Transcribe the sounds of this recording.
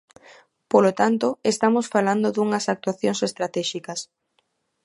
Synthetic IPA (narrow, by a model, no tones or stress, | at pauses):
polot̪ant̪oest̪amosfaland̪oðuŋɐsak̚t̪waθjõŋsest̪ɾat̪ɛʃikɐs